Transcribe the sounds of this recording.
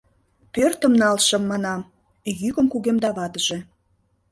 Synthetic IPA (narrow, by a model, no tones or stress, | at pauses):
pørt̪ə̆mnɑlʃə̆mːɑnɑm | jykəmkuɣemd̪ɑβɑd̪əʒe̽